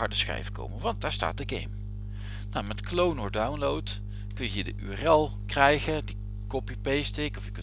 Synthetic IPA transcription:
ɑɹdəsχɛ̰jvəko̰wmənʋɑnt̚daːɹsta̰ːt̚dəɡḛjm | namɛtklownɔɹdawnlowt | kɵnjəjədəʔyɛrɛlˠ | krɛjχədi | kɔpipejstɪkɔfjək

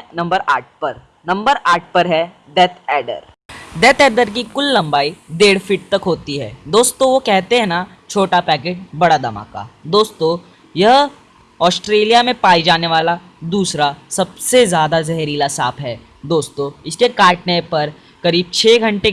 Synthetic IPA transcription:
nɐ̃mbəɾa̰ːʈ̚ʰpɐɾ | nɐ̃mbəɾʔaːʈ̚ʰpɐɾɦɛ | d̪ɛt̪ʰɛːɖə̰ɾ | d̪ɛt̪ɛːɖəɾk̬ikʊlːɐ̃mbaːid̪eːɽfɪʈ̚t̪ɐkɦoːt̪iɦɛ̰ːd̪oːst̪õʋokɛɦt̪eɦɛ̃na | t͡ʃʰoːʈapɛːk̬eːʈ̚bɐɽad̪ɐma̰ːka̰d̪oːst̪õ | jɐɦ | ɔːsʈɾeːlijamẽpaːid͡ʒaːneʋaːla | d̪uːsɾasɐbsezjaːd̪azɛɦɾiːlasaːpʰɦɛː | d̪oːst̪õɪskekaːʈnepɐɾ | kɐɾiːb̚t͡ʃʰeːɡʱɐ̃ɳʈe

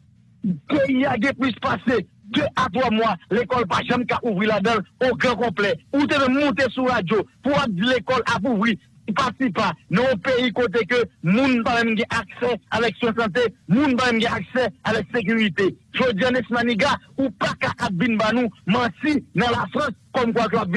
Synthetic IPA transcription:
peiaɡɛ̃plyspased̪øʔat̪wamwalekɔlpaʒɐ̃mkaʔuvʁilad̪ʌ̃noɡʁɐ̃kɔ̃plɛut̪̬emɛ̃mːũt̪̬esuʁad͡zjopuwap̚d͡zilekɔlʔap̬uvʁi | pasipanɔ̃ɔ̃peikot̪̬ekømũnpamɛ̃mɡɛ̃ʔaksɛavɛkswɛ̃sɑ̃t̪̬emũnpamɛ̃mɡɛ̃aksɛavɛksek̬yʁit̪eʒod͡ziãnɛsmaniɡaupakaʔap̚vinbanũmɐ̃sinɐ̃lafʁʌ̃skɔmkwak̬əap̚vi

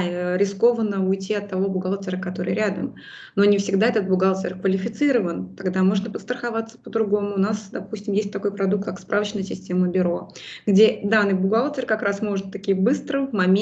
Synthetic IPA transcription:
əɾʲɪsko̞vənəʊjtʲiɐt̪ːɐvo̞bʊɡalˠtʲɪɾəkɐt̪o̞ɾɨjɾʲad̪ə̰m | no̞nʲɪfsʲɪɡd̪aɛt̪ət̪̚bʊɡalˠtʲɪrkvəlʲɪfʲɪt̪sɨɾəvənt̪ɐɡd̪amo̞ʐnəpət̪st̪ɾəxavat̪sə̥pəd̪ɾʊɡo̞mʊːnasd̪ɐpusʲtʲɪmjesʲt̚ʲt̪ɐko̞jpɾɐd̪uk̚t̪̚kakspɾʔavət͡ɕnəjəsʲɪsʲtʲe̞məbʲʊɾo̞ | ɡdʲe̞d̪anːɨjbʊɡalˠtʲɪrkɐkɾasmo̞ʐɨt̪t̪ːɐkʲijəbɨst̪ɾəmɐmʲ

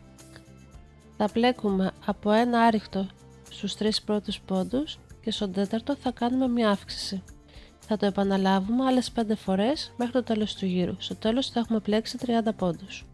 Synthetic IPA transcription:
θɐple̞kume̞ɐpo̞e̞nɐɐɾixt̪o̞ | st̪ust̪ɾispɾo̞t̪uspo̞nd̪usce̞st̪o̞nd̪e̞t̪ɐɾt̪o̞θɐkɐnume̞mɲɐɐfksi̥si | θɐt̪o̞e̞pɐnɐlɐvume̞ɐle̞spe̞nd̪e̞fo̞ɾe̞sme̞xɾit̪o̞t̪e̞lo̞st̪uʝiɾṵst̪o̞t̪e̞lo̞sθɐe̞xume̞ple̞ksit̪ɾiɐnd̪ɐpo̞nd̪us

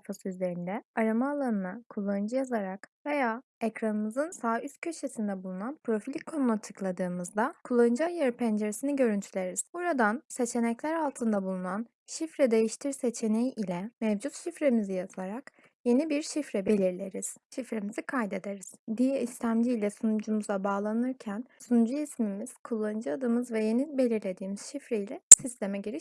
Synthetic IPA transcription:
fasɯyzlʲe̞ɾind̪ɛaɾamaːlˠanɯnakʰulˠːaɯnd͡ʒɯjazaɾakve̞jaː | ecɾanɯmɯzɯnsaːyst̪̚cʰø̞ʃe̞sind̪ɛbulˠunanpʰɾo̞filʲikʰːo̞nulˠat͡ʃʰɯ̥klˠad̪ɯːmɯzd̪akʰulˠaɯnd͡ʒajaɾipʰænd͡ʒeɾesiniɟø̞ɾynt̪ʰylʲe̞ɾiz̥buɾad̪anse̞t͡ʃʰe̞nɛclʲæɾalˠt̪ʰɯnd̪abulˠunan | ʃifɾɛd̪e̞jiʃt̪ʰiɾse̞t͡ʃʰe̞nejʔilʲɛmɛvd͡ʒut̪ʃifɾe̞mizijazaɾak | je̞nibiɾʃifɾɛbe̞lʲiɾlʲe̞ɾiz̥ʃifɾemizikʰajd̪e̞d̪e̞ɾiz̥d̪ijɛist̪ʰæmd͡ʒiːlʲɛsunud͡ʒumuzˠabaːlˠanɯɾcʰænsunud͡ʒuismimiz̥kʰulˠːand͡ʒɯad̪ɯmɯzvɛje̞nibe̞lʲiɾlʲe̞d̪iːmiz̥ʃifɾeilʲɛsist̪ʰemɛɟiɾiʃ

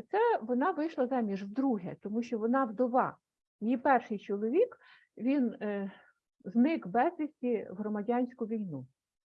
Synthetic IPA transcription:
t̪sɛʋɔnɑʋɪjʃlˠɐzɑmʲiʒwd̪ɾuɦɛt̪ɔmuʃt͡ʃɔʋɔnɑwd̪ɔʋɑ | jjipɛrʃɪjt͡ʃɔlˠɔʋʲik | ʋʲin | znɪkbɛzʋʲisʲtʲiɦɾɔmɐdʲanʲsʲkʊʋʲijnu

